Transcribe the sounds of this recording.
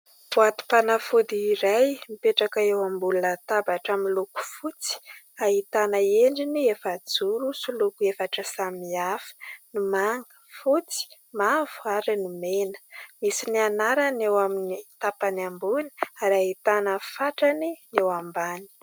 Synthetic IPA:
vuat̪u̥panafud̪iːɾajmipeʈ͡ʂakaewambulunət̪abaʈ͡ʂamiluku̥fut͡si̥ | aɦit̪anəeɳɖ͡ʐiniefad͡zuɾusulukuefaʈ͡ʂəsamiafə̥nimaŋɡə̥fut͡si̥ | mavuaɾinimenə̥misinianaɾanewaminit̪apanambuni̥aɾait̪anəfaʈ͡ʂaninewambani̥

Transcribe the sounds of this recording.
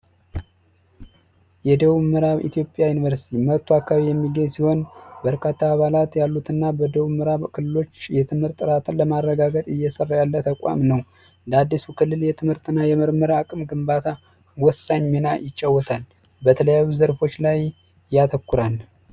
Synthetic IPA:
jɛd̪əβuməɾaβḭt̪jo̞pʼːjajunivəɾsi̥t̪ʰimət̪ʰːuakʰːaβijɛmːiɡəɲsiho̞nbəɾkʰat̪ʰːaːβalat̪jalːut̪ʰɨnːabəd̪əβuməɾaβkʰɨlːɨlo̞t͡ʃːjɛt̪ʰɨmhɨɾt̪ʼːɨɾat̪ʰɨnləmarːəɡaɡət̪ʼɨjːɛsərːajalːət̪ʰəkʷʼwa̰mnəw | nd̪ad̪ːisukʰɨlːɨljɛt̪ʰɨmhɨɾt̪ʰɨnːajɛməɾməɾaakʼɨmɡɨmbat̪ʰa | wɔsːaɲːminajɪt͡ʃʼːawːɔt̪ʰal | bət̪ʰələjajuzəɾfo̞t͡ʃːlaj | jat̪ʰəkːuɾal

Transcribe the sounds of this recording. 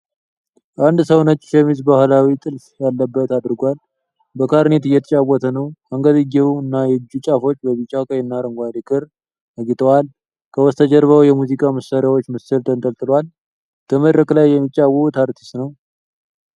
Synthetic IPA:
ʔand̪səwnət͡ʃʼːʃɛmizbahlawit̪ʼɨlfjalːəbːət̪ad̪ɾɡʷal | bəkʰaɾnet̪ɨjːɛt̪ʰət͡ʃʼawːɔt̪ʰənəwaŋɡəd̪ɨɡeuɨnːajɛd͡ʒːut͡ʃʼafo̞t͡ʃːbəβit͡ʃʼawkʼəjɛnːaɾəŋɡʷad̪ikʰʼɨɾ | ʔəɡit̪ʼəwal | kʰəwɔst̪ʰəd͡ʒəɾβəwjɛmuzikʼaməsaɾjawot͡ʃːməsɨlt̪ʰʼənt̪ʼəlt̪ʼɨlwal | t̪ʰəməd̪ɾəkʼlajːɛmːit͡ʃʼːawut̪ʰaɾt̪ʰi̥st̪nəw

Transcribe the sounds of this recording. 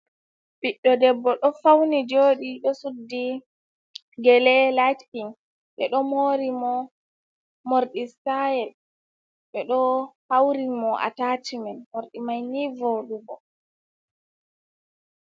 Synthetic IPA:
biɗːɔdɛbːɔɗɔfawnid͡ʒoːɗiɗɔsudːi | ɡɛlɛlajtiŋ | ɓɛ̰ɗɔmoːɾimɔ | moɾɗisajɛl | ɓɛɗɔhawɾimɔʔa̰tatimɛnmoɾɗimajnivɔɗubɔ

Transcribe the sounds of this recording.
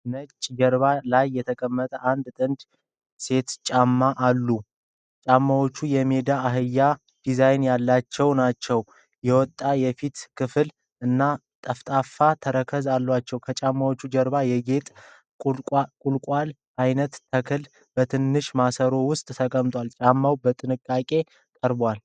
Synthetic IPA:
nət͡ʃʼːd͡ʒɛɾβalajːɛt̪ʰəkʼəmːət̪ʼəʔand̪t̪ʼɨnd̪ | se̞t̪t͡ʃʼamːaʔalːu | t͡ʃʼamːawo̞t͡ʃːujɛme̞d̪aːɦɨjːa | d̪̥izajnjalːat͡ʃːɛwnat͡ʃːɛw | jɛwɔt̪ʼːajɛfit̪kʰɨfɨl | ʔɨnːa | t̪ʼəft̪ʼafat̪ʰəɾəkʰəzalːwat͡ʃːɛwkʰət͡ʃʼamːawot͡ʃːud͡ʒəɾbajɛɡe̞t̪ʼ | kʼkʼulkʼal | ʔajnət̪t̪ʰəkʰɨl | bət̪ʰɨnːɨʃmasəɾo̞wʊst̪ʼt̪ʰəkʼəmt̪ʰʼʷalt͡ʃʼamːawbət̪ʼɨnɨkʼːakʼe̞ | kʼəɾbwal

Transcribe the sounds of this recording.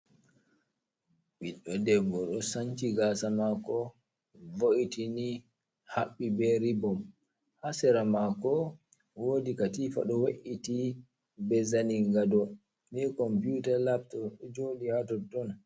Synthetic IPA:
ɓiɗːɔdɛɡɔɗɔsaɲt͡ʃiɡaːsamakɔ | voʔitini | haɓːibɛɾibɔm | hasɛɾamakɔ | woːdikatiːfa̰ɗɔwaʔiti | bɛzaniŋɡadɔ | nɛkɔmpjutalaptɔd͡ʒoliatɔdɔn

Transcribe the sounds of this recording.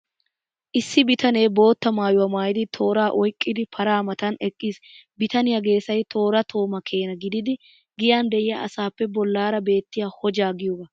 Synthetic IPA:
ʔɪsːɪbɪt̪ɐne̞ːbo̞ːt̪ːɐmaːjʊwɐmaːjɪd̪ɪt̪ʰo̞ːɾaːʔɔjkʼːɪd̪ɪpʰɐɾaːmɐt̪ɐnɛkʼːiːsbɪt̪ɐnɪjɐɡe̞ːsɐjt̪ʰo̞ːɾɐt̪ʰo̞ːmɐkʰe̞ːnɐɡɪd̪ɪd̪ɪ | ɡɪjaːnd̪ɛʔɪjɐɐsaːpːɛbɔlːaːɾɐbe̞ːt̪ːɪjaːhɔd͡ʒaːɡɪjɔɡɐ

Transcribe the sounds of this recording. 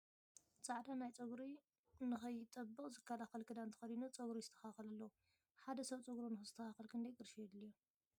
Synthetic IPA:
t͡sʼaʕd̪anajt͡sʼɐɡɾi | nɨxɐjːɪt̪ʼɐbːɨχʼzɨkʰːɐlaxɐlkʰɨd̪ant̪ʰɐ̥xɐd̪inut͡sʼɐɡɾizɨt̪ʰːɐ̥xaxɐlɐlːɐu | ħad̪ɐsɐβt͡sʼɐɡɾunɨxɨzɨt̪ʰːɐxaxɐlkʰɨnd̪ɐjɡɨɾʃjɛd̪lijo

